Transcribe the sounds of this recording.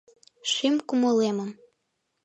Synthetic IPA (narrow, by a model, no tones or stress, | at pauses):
ʃimkumɤleməm